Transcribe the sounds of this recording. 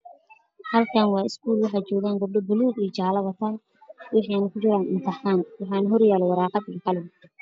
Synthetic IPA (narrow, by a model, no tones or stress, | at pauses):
hɐlkʰaːnwɑːɪskʰuːlwɐɦɐt͡ʃɔːɣaːŋɡɐb̚ɖɐbʊluːdiːt͡ʃaːlɐβɐt̪ʰan | wɪħiːnɐkʰʊd͡ʒɪɾaːnɪnt̪ʰɐħaːnwɑħɑːnɐɦɔrjaːlɛwɑɾɑːqɑd̪iːqɑlɪɡ̪